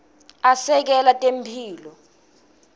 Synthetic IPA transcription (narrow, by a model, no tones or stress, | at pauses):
asɛk̬ɛlatʼempʰiːlɔ